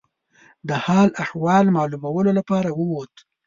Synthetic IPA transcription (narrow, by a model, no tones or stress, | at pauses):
d̪əhɑlahwɑlmɑlumawəlolapɑɾawəwot̪